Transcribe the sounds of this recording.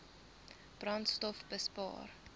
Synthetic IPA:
b̥rɐntstɔfbəspɑ̰ːr

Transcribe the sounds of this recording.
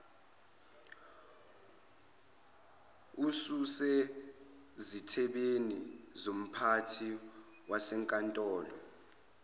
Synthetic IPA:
ususɛ | zitʰɛɓenizom̩pʰatʰi | wasɛŋkʼantʼɔːlɔ̰

